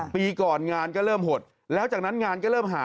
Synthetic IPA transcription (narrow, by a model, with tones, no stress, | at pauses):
piː˧kɔː˨˩nŋaː˧nkɔː˥˩ɾɤː˥˩mɦo˨˩t̪̚ | lɛː˦˥wt͡ɕaː˨˩k̚na˦˥nŋaː˧nkɔː˥˩ɾɤː˥˩mɦaː˨˦